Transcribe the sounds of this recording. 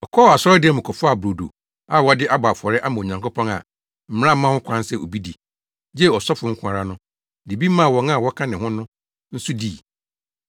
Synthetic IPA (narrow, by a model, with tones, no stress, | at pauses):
ɔ˨kʰɔ˦˨a˨sɔ˦ɾɔ˦dɪ˦ɛ˦mʊ̃˨kʰɔ˨fʊ˦a˨bɾo˨do̰˨ | a˦˨wɔ˦dɪ˦ʔa˦baː˨fɔ˨ɾɛ˦ʔa˦mã˨ɲã˨ŋkʊ˦pʰɔ̃˦ŋa̰˨ | m̩˨m̃˦ã˦mã˦hʊ̃˦kʷʰã˦n˦sɛ˨o̰˨bi˦di˨ | d͡ʑɛ˦ɔ˨sɔ˦fʊ˨ŋ̩˦kʰʷʊ̃˦˨a˨ɾa˦nʊ̃˦ | di˨bi˦mã˦˨wɔ̃˨ŋa˦˨wɔ˦kʰã˦nɪ̃˨hʊ̃˦nʊ̃˦ | n̩˦su˦di˦˨